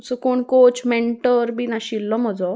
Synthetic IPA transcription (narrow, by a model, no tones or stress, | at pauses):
sɔkoɳkot͡ɕmeɳʈəɾbiːnaɕilːɔm̤əd͡zɔ